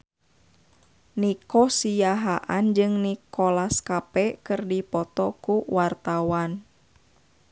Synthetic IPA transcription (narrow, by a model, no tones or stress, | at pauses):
nikɔsijaɦaʔand͡ʒɨŋnikɔlaskapɛkɨrdipɔt̪ɔkuwart̪awan